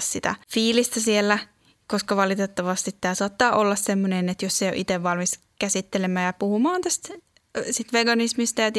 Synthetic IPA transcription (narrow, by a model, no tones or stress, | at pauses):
ssit̪æ̰fiːlist̪æsielːæ | koskɑʋɑlit̪et̪ːɑʋɑst̪it̪ːæːsuɑt̪ːɑːʔolːɑssemːonenet̪josseijo̰ʔit̪eʋʋɑlmis | kæsit̪ːelemæːjɑpuhumɑːnt̪æst̪ | sit̪ʋeɡɑnismist̪ɑjɑt̪